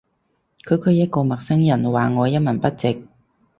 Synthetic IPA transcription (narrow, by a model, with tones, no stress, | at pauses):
kʰɵ˨˧ɥkʰɵ˨˧ɥjɐ˥t̚kɔː˧mɐ˨k̚sɐ˥ŋjɐ˨˩nwaː˨ŋɔː˨˧jɐ˥t̚mɐ˨˩npɐ˥t̚t͡sɪ˨k̚